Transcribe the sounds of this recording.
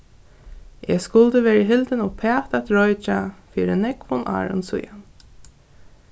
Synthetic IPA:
ɛskʊlt̪əʋeːɹɪɦɪlt̪ɪnɔpʰɛːt̪at̪ɹɔjt͡ʃafiːɾɪnɛkfʊnʔa̰ːɹʊ̰nsʊ̰jan

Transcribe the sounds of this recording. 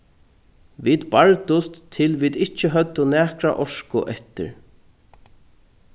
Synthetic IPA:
viːd̪baɹt̪ʊst̪ʰːɪlviːd̪ɪht͡ʃːɪɦœt̪ːʊnæːkɾa̰ʔɔʂkʊʔɛht̪ɪ̰ɹ

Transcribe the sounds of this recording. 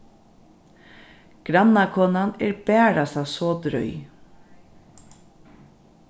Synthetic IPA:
ɡ̥ɾanakʰɔːnanɛːɹbɛːɹasasɔːd̪ɾœ̰ʏ

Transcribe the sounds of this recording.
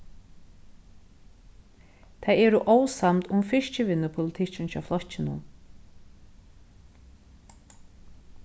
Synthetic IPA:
t̪ʰajɛːɾʊʔowsamt̪ʊmfɪʃt͡ʃɪʋɪnːʏpʰʊlɪt̪ʰɪt͡ɕɪnt͡ʃʰɑ̰flɔht͡ʃːɪnʊ̰n

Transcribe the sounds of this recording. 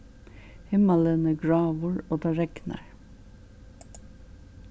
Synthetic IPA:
hɪmɑlənəɡɹɑːʋəɹoːd̪ɑːɹɛɡnə̰ɹ

